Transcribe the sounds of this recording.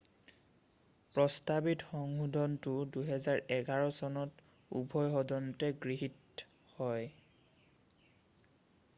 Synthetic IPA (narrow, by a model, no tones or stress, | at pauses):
pɹɔstabitxɔŋudʱɔntʊduɦɛzaɹʔɛɡaɹɔsɔnɔt | ṵbʱɔjɦɔdɔntɛɡɹiɦit | hɔj